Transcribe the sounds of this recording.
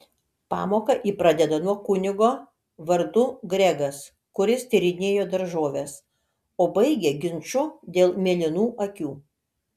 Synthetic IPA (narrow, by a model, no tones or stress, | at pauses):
pɑ̰ːmoːkɐʔiːpɾɑd̪ʲɛd̪ɐnuɔkʊnʲɪɡoː | ʋɐɾd̪ʊɡɾʲɛɡɐs | kʊɾʲɪst̪ʲɪɾʲɪnʲeːjoːd̪ɐɾʒoːʋʲes | oːbɐɪɡʲɛɡʲɪnʲt͡ʃʊd̪ʲeːlˠmʲeːlʲɪnuːʔɐkʲuː